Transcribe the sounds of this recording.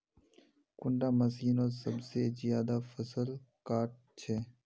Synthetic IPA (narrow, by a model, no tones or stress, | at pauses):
kʊɳɖaːməs̬iːnoːsəbsezijaːd̪aːfəsəlkaːʈ̚t͡ʃʰeː